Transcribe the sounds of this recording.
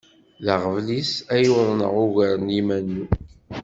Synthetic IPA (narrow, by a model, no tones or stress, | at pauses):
ləʁəvlisæjuðˤnə̰ʁʊʝəɾənimænːu